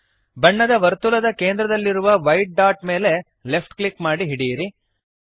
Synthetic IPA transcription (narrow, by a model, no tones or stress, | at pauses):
bɐɳːɐd̪ɐʋɐɾt̪ulɐd̪ɐkeːnd̪ɾɐd̪ɐlːiɾuʋɐʋɐjʈ̚ɖaːʈme̞ːle̞ | le̞pʰʈklikmaːɽiɦiɽijɾi